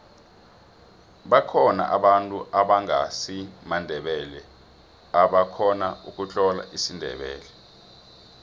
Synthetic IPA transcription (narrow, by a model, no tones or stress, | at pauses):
ɓakʰɔna̰ʔaɓantʼuʔaɓaŋa̰simandʱɛɓɛlɛ | aɓakʰɔnauk̬ʼut͡ɬʼɔla̰ʔisindʱɛ̰ɓɛ̰ːlɛ